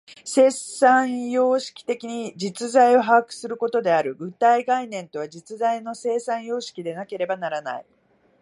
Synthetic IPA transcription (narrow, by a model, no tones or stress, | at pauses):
se̞ːsãɰ̃jo̞ːɕi̥kʲi̥t̪e̞kʲiɲ̟id͡ʑit͡sɨzaio̞ɦakɯ̟̥sɨɾɯ̟ko̞t̪o̞d̪e̞aɾɯ̟ɡɯ̟t̪aiɡainẽ̞nt̪o̞βad͡ʑit͡sɨzaino̞se̞ːsãɰ̃jo̞ːɕi̥kʲid̪e̞nake̞ɾe̞banaɾana̰i